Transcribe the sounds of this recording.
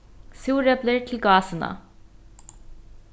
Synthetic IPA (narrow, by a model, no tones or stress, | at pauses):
suːɾɛbləɾt̪ʰɪlɡɑːsənɑ̰